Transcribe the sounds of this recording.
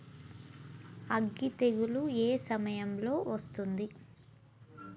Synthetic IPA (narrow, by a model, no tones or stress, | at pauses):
ɐɡːit̪e̞ɡulueːsɐmɐjɐmlo̞ːʋɐst̪und̪i